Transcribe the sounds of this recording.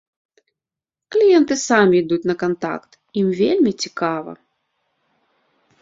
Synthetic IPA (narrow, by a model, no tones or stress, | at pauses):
klʲijɛnt̪ɨsamʲiːd̪ut͡sʲnɐkant̪a̰kt̪ | imvʲelʲmʲit͡sʲi̥kavɐ̰